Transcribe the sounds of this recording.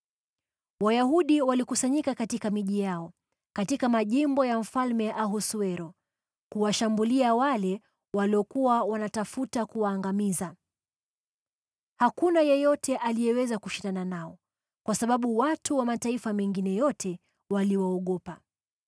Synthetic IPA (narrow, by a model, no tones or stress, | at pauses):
wajahuɗiwalikusaɲikakatikamiʄijaɔ | katikamaʄimbɔjam̩falmɛʔaɦusuɛɾɔ | kuwaʃambuliawalɛ | waliɔkuwawanatafutakuwaːŋɡamiza | hakunajɛjɔtʰɛʔalijɛwɛzakuʃindananaɔ | kwasaɓaɓuwatʰuwamataifamɛŋɡinɛjɔtɛ | waliwaɔɠɔpa